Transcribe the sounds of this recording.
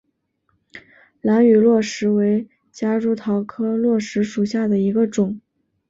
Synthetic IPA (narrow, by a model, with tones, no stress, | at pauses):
la˧˥ny˨˩lwɔ˥˩ʂɻ̩˧˥we˧˥ɪ | t͡ɕja˥ɻu˥t̪ʰɑ˧˥ʊkʰɤ˥lwɔ˥˩ʂɻ̩˧˥ʂu˨˩ɕja˥˩d̪ə˩i˧˥ɡə˧ʈ͡ʂʊ˨˩˦ŋ